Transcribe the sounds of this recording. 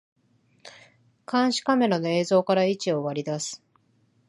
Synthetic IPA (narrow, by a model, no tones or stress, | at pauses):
kʰãɰ̃ɕi̥kame̞ɾano̞e̞ːzo̞ːkaɾait͡ɕio̞βaɾʲid̪asɨ̥